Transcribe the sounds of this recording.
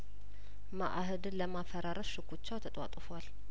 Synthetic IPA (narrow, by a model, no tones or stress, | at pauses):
ma̰ʔɦɨd̪ɨnləmafəɾaɾəsʃɨkʰːut͡ʃːawt̪ʰət̪ʼwa̰t̪ʼɨfal